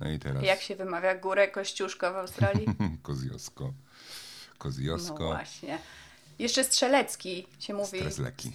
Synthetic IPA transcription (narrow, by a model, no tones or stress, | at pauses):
nɔ̰it̪ɛɾajjakɕɛvɘmavʲjaɡuɾɛkɔɕt͡ɕuʂkɔvawst̪ɾaljikɔzjɔ̰skɔ | kɔzjɔsnɔvkɔwa̰ɕɲɛ | jɛʂt͡ʂɛstʂɛlɛt̪skʲiɕɛmuvʲiɛslɛ̰kʲʰːḭ